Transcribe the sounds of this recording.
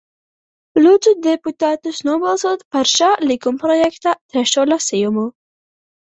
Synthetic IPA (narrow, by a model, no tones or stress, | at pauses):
lʲud̪zud̪ʲɛput̪aːt̪ʊsnuɔbɐlˠsoːt̪pɐɾʃalʲɪkʊmpɾɔjɛkt̪at̪ʲɾʲɛʃoːlʲɐsʲɪjʊmo